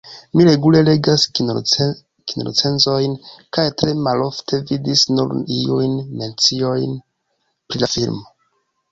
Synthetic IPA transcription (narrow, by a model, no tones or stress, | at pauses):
miɾe̞ɡule̞le̞ɡas | kino̰o̰t͡se̞nzo̞jnkajtɾe̞malo̞ftʰe̞vidisnṵɾiujnme̞nt͡sio̞jn | pɾilafilmo